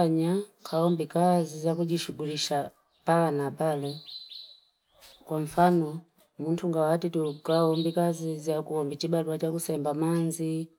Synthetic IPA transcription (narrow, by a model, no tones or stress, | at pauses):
aɲakʰaɔmbikazizakuʄiʃuɡuliʃa | palanapalɛ | kwaɱ̩fanɔ | muntʰuŋɡawatitukaɔmbikazizakuɔmbit͡ʃibaluat͡ʃakusɛmbamanzi